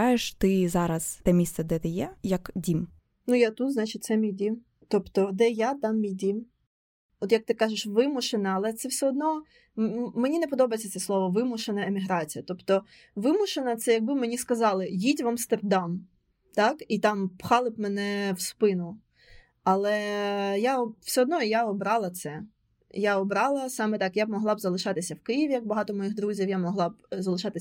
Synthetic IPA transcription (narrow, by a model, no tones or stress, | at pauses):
ɑjeʃt̪ɪzɑɾɐz̥t̪ɛmʲist̪sɛd̪ɛt̪ɪjɛjɐkdʲim | nujat̪ut̪znɑt͡ʃɪt̪̚ʲtsɛmʲijdʲim | t̪ɔpt̪ɔd̪ɛjat̪ɑmːʲijd̪ʲim | ɔt̪jɐk̚t̪ɪkɑʒɪʃʋɪmʊʃenɐɐlˠɛt̪sɛwsʲɛɔd̪̚nɔ | menʲinepɔd̪ɔbɐjt͡sʲːɐt̪sɛslˠɔʋɔʋɪmʊʃenɐemʲiɦɾɑt͡sʲijɐt̪ɔpt̪ɔ | ʋɪmʊʃenɐt̪sɛjɐɡ̚bɪmenʲiskɐzɑlˠɪjitʲʋɐmst̪erd̪ɑm | t̪ɑkit̪ɑmpxɑlˠɪb̚menɛwspɪnʊ | ɐlˠɛjaɔw̥sʲɔɔd̪nɔijaɔbɾɑlˠɐt̪sɛ | jaɔbɾɑlˠɐsɑmɛt̪ɑkjab̚mɔɦlˠɑbzɐlˠɪʃɑt̪ɪsʲɐwkɪjiʋʲijɐk̚bɐɦɑt̪ɔmɔjiɣd̪ɾuzʲiwjamɔɦlˠɑbzɐlˠɪʃɑt̪ɪ